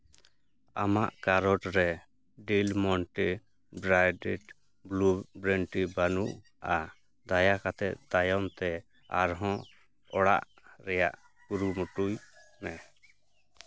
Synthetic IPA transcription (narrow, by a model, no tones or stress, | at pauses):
a̰maʔkaɾɔʈɾɛ | ɖilmɔɳʈi | bɾajɖiʈ | blubɾɛɳʈibanuʔ | a | d̪ajakat̪ʰɛt̪̚d̪ajɔnt̪ɛ | a̰ɾɦɔ̃ | ɔɽa̰ʔ | ɾɛjaʔ | kuɾumuʈujnɛ